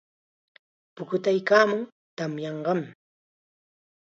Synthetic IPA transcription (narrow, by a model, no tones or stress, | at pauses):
pʊkʊt̪ajkaːmʊŋ | t̪amjɑɴɢɑm